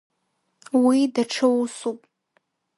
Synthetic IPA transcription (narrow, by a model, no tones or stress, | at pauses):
widaʈ͡ʂʰɨwsupʼ